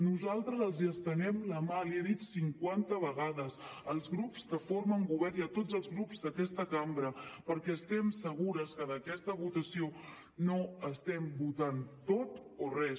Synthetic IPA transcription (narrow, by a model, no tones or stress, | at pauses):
nuzalˠt̪ɾəzəlˠziəst̪ənɛmləmaliaðit̪siŋkwant̪əβ̞əɣaðəzəlˠzɣɾupskəfoɾməŋɡuβɛɾiət̪od͡zəlˠzɣɾupzd̪əkɛst̪əkambɾəpəɾkɛəst̪ɛmsəɣuɾəskəðəkɛst̪əβut̪əsio | noəst̪ɛmbut̪ant̪ot̪orɛs